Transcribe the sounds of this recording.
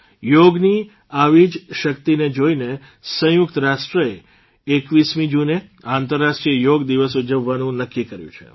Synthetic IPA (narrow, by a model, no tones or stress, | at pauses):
joɡni | aʋid͡ʒʃəkt̪ined͡ʒoine | sə̃jʊk̚t̪ɾaʃʈɾəe | ekʋismid͡ʒuneãnt̪əɾːaʃʈɾiəjoɡd̪iʋəsud͡ʒəʋːanũnəkːikəɾjṵ̃t͡ʃʰḛ